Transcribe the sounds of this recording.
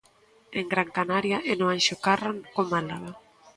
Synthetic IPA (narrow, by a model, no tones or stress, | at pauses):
eŋɡɾaŋkanaɾjaʔenoanʃokaraŋkomalaɣa